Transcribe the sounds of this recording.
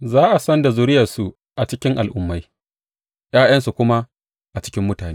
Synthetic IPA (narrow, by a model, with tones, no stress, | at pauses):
zaː˦ʔa˨sɐ˦nda˨zʊ˦ɾɪ˦jɐ˨rsu˨ | ʔa˨t͡ʃɪ˦kʲɪ˦ŋʔa˨lʔʊ˨mːa˦j | j̰aː˦jɐ˦nsu˨kʷʊ˦ma˦ | ʔa˨t͡ʃɪ̥˦kʲɪ˦mːʊ˦taː˨neː˦